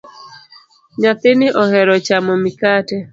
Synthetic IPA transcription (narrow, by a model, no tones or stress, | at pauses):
ɲat̪ɪnɪʔɔhɛɾɔt͡ʃamɔmikatɛ